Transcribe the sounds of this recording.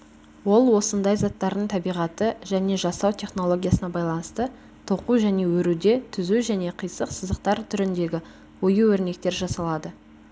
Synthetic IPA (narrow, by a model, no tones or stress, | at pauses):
wo̞lˠwo̞sənd̪ɑjzɑt̪ːɑɾd̪əɴt̪ʰɑbijʁɑt̪əʒæne̞ʒɑsɑwt̪ʲʰe̞χno̞lˠo̞ɡʲijasənɑbɑjlˠɑnəst̪ə | t̪ʰo̞quʒæne̞wɵɾud̪e̞t̪ʰʏzuʒæne̞qʰəjsəqsəzd̪əq̚t̪ɑɾt̪ʰʏɾɪnd̪e̞ɡʲɪ | wo̞juwɵɾne̞k̚t̪e̞ɾʒɑsɑlˠɑd̪ə